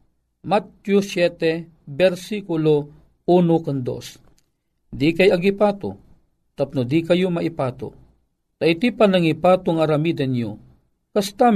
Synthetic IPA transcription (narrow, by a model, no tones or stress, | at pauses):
mat̪jusjɛt̪ɛ | bɛɾsikʊlo | unokand̪o̰s | d̪ikajɐɡipaːt̪o̰ | t̪ap̚nʊd̪ikɐjomaʔipaːt̪o̰ | t̪aʔit̪ipanaŋipaːt̪ʊŋaɾamid̪anjo | kast̪a